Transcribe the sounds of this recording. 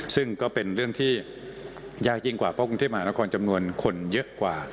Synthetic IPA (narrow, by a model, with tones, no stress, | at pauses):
sɯ˥˩ŋkɔː˥˩pe˧nɾɯ˥˩əŋt̪ʰiː˥˩ | jaː˥˩k̚t͡ɕi˧ŋkwaː˨˩pʰɔ˦˥˩kɾu˧t̪ʰeː˥˩ma˧aː˧˥a˦˥kʰɔː˧nt͡ɕa˧mnu˧ənkʰo˧njɤ˦˥ʔkwaː˨˩